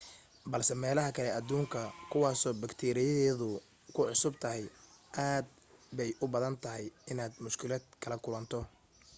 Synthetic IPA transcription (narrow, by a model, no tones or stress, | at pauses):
bɐlsɛmɛːlɐɦɐkʰɐlɛʔɐd̪uːŋkʰɐkʰʊwɑːsɔːbɐkt̪ʰɛːɾɪjɐðɛːðʊ | kʰʊʕʊsʊbt̪ʰɐɦɛjʔaːd̪̚ | bɛjʔʊbɐðɐnt̪ʰɐɦɛjɪnaːd̪mʊʃkʰɪlɛːd̪kʰɐlɐkʰʊlɐnt̪ʰɔ